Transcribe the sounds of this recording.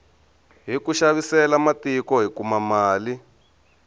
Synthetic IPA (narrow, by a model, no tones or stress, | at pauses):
ɦikuʃaβisɛlamatikɔɦikumamaːli